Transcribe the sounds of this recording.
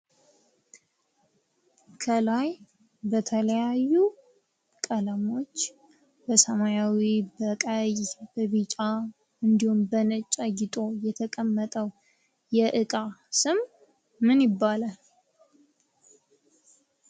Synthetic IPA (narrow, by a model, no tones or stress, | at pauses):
kʰəlaj | bət̪ʰələjajːu | kʼələmo̞t͡ʃː | bəsəmajawibəkʼajbəβit͡ʃʼa | ɨnd̪ihumbənət͡ʃʼaɡɪt̪ʼo̞jɛt̪ʰəkʼəmːət̪ʼəw | jɛʔɨkʼasɨmː | ɨnjɪbːala